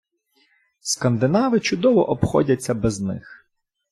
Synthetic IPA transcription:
skɐnd̪ɪnɑʋɪt͡ʃʊd̪ɔʋɔ̰ʔɔpxɔ̰dʲɐt͡sʲːɐbɛznɪ̰x

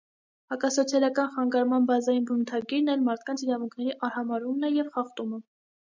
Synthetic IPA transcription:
hɑkɑsɔt͡sʰjɑlɑkɑnχɑŋɡɑɾmɑnbɑzɑjinbənut̪ʰɑɡiɾnɛlmɑɾt̪̚ʰkɑnt͡sʰiɾɑvuŋkʰnɛɾiʔɑɾhɑmɑɾumnɛjɛvχɑχt̪umə

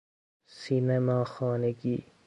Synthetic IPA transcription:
sinemaːxɔːneɡḭː

